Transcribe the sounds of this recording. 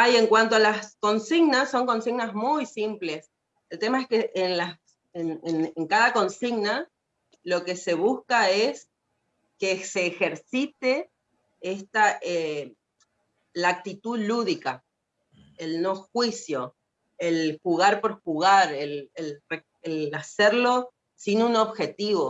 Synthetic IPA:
aje̞ŋkwant̪oalaskonsiɣnasːo̞ŋko̞nsiɣnazmujsimple̞s | elt̪emaeskeʔenla | eneneŋkaðako̞nsiɣna | lo̞ke̞se̞β̞uskaes | kese̞ːxe̞ɾsit̪e̞ | est̪aʔe | lak̚t̪it̪uðluðika | elno̞xwisjo̞ | elxuɣaɾpo̞ɾxuɣaɾelelre | elaseɾlo̞ | sinuno̞βxe̞t̪iβo̞

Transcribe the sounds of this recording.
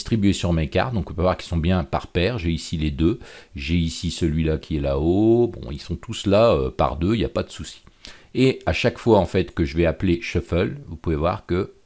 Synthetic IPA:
st̪χibɥesyʁmeka̰ʁt̪̚d̪ɔ̃kpøvwaʁki̥lsɔ̃bjɛ̃pa̰ʁpɛʁʒeisiled̪øʒeisisəlɥilakʲʰiɛlaobɔ̰̃ilsɔ̃t̪uslaøpa̰ʁd̪øija̰pad̪əsusi̥eaʃakfwaɑ̃fɛt̪kəʒəvɛapleʃəfœlvupuvevwa̰ʁkə

